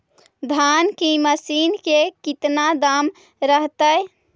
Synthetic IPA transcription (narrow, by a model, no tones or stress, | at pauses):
d̪ʱankiməsinkekit̪nad̪am | ɾəɦt̪əj